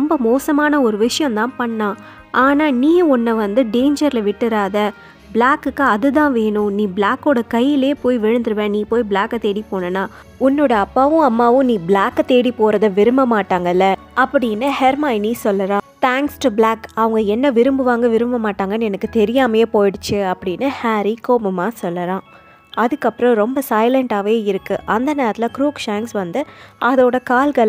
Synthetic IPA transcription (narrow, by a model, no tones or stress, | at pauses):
ɾɔmbɐmoːsɐmaːnɐɔɾɯʋɪʂɐjɐ̃nt̪ãːpɐɳːãː | ʔaːnaːnĩːɔnːɐʋɐnd̪ɯɖeːnd͡ʒɐɾɪlɐʋɪʈːɯɾaːðɐ | blaːkːɯkːɯɐðɯt̪ãːʋeːɳʊ̃nĩːblaːkːoːɽɐkɐjːɪleːpoːjʋɪɻɯnd̪ɯɾɯʋẽːniːpoːjblaːkːɐt̪eːɽipoːɳɐnːaː | ʊnːoːɽɐɐpːaːʋɯ̃ɐmːaːʋɯ̃nĩːblaːkːɐt̪eːɽipoːɾɐðɐʋɪɾɯmbɐmaːʈːaːŋɡɐɪlːɐ | ʔɐpːɐɽɪnːɯhɛɾmaːɪniːsɔlːɐɾãːt̪ʰaːŋksʈʊblaːkɐʋɐŋɡɐɛnːɐʋɪɾɯmbɯʋaːŋɡɐʋɪɾɯmbɐmaːʈːaːŋɡɐnɛnɐkːɯt̪ɛɾɪjaːmɐjeːpoːjɪɽɯt͡ʃːɯɐpːɐɽɪnːɯhaːɾikoːmɐmaːsɔlːɐɾãː | ɐðɯkːɐpːɯɾɔ̃ɾɔmbɐsɐɪlɐɳʈaːʋeːɪɾɯkːɯʔɐnd̪ɐneːɾɐt̪ɪlɐkɾuːkʂaːŋksʋɐnd̪ɯʔɐðoːɽɐkaːlɡɐɭ